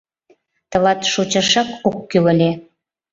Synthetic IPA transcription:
t̪əlɑt̪ʃot͡ɕɑʃɑkokːyləlʲe

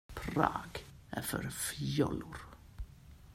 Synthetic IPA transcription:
pʰɾɑ̰ːɡ̥ | ɛfœ̰ɾfjɔlʊɾ

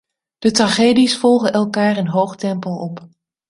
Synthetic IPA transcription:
d̥ətraχeːdisfɔlˠχəʔɛlˠkaːrənɦowχtɛmpəlˠɔp

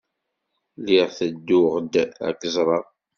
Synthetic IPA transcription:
liʁθəd̪ːʊʁd̪æ̰kzˤɾˤɑ

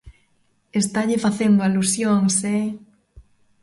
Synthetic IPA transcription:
est̪aʎɪfaθend̪ʊalusjoŋsɛ

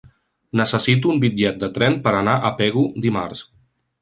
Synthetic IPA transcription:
nəsəsit̪uːmbid͡ʒɛt̪̚d̪ət̪ɾɛmpəɾənaʔəpɛɣud̪ima̰ɾs

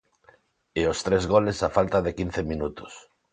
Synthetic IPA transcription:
eost̪ɾezɣolesafalt̪aðekinθemĩnut̪ʊ̥s

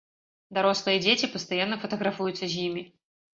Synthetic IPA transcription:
d̪ɐɾɔslˠəjəd͡zʲetʲɪpəst̪ajanːəfɐt̪ɐɣɾafujʊt̪səzʲnʲimʲɪ

